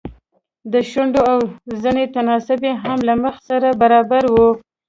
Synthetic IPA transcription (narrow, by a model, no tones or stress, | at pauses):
d̪əʃaɳɖoawzinet̪anɑsʊbeɦamlaməxsaɾabaɾɑbaɾwu